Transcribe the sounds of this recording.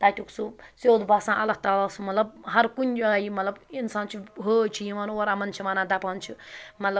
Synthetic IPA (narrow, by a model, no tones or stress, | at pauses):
t̪ajtuksused̪basãʔɐlɐk̚t̪alɐsmɐt̪lɐbɦɐɾkunʲd͡ʒaaimɐt̪lɐbinsãːnt͡ʃʰiɦot͡ʃʰijimanwoɾamɐnt͡ʃʰimanãd̪apant͡ʃʰumɐt̪lɐ